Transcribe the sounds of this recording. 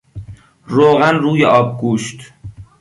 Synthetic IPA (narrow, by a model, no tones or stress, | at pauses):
ɾoːɣænruːjeʔɒːb̚ɡuːʃt̪